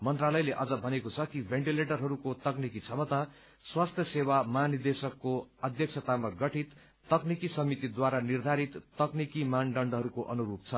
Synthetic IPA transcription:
mʌnt̪ralʌjleʔʌd͡zʌbʱʌnekot͡sʰʌkibʱeɳʈileʈʌrɦʌɾukot̪ʌknikit͡sʰʌmʌt̪a | swast̪ʰjʌsewamʌɦanird̪esʌkːoʌd̪ʱjʌk̚t͡sʰʌt̪amaɡʌʈʰit̪ː | ʌknikisʌmit̪id̪waɾanird̪ʱaɾit̪ːʌknikimaɳɖʌɳɖɦʌɾukoʔʌnuɾup̚t͡sʰʌ

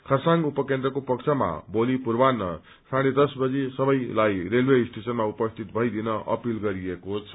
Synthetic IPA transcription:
kʰʌsaŋɡupʌkend̪ɾʌkopʌkt͡sʰama̰bolipurbanːʌ | saɽ̃ed̪ʌsbʌd͡zisʌbʌjlajɾelwesʈesʌnmaupʌst̪ʰit̪̚bʱʌjd̪inʌʔʌ̰pilɡʌɾiekot͡sʰʌ̥

